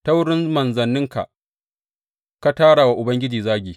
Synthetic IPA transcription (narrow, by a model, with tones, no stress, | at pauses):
ta˦wɽɪ˦nmɐ˨nzɐ˨nːɪ˦ŋka̰˨ʔ | ka˦taː˦ɽa˨wa˦ʔʊ˨bɐ˦ŋɡʲɪ˦d͡ʒiː˨zaː˦ɡʲiː˨